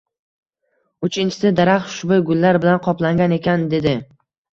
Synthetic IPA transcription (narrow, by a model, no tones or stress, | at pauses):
ʊt͡ʃʰɪnt͡ʃʰɪ̥sɪd̪aɾaχʊʃbʊjɡʊlːaɾbɪlanqʰɒplaŋɡʲane̞kʲʰand̪e̞d̪ɪ